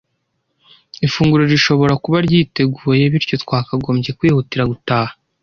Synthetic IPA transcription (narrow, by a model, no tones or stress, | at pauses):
ifuːŋɡuɾo̞ɾiʃo̞βo̞ɾakuβaɾɟiːte̞ɡuːje̞βiɾco̞twaːkaɡo̞ːmɟe̞kwiːhutiɾaɡutaːha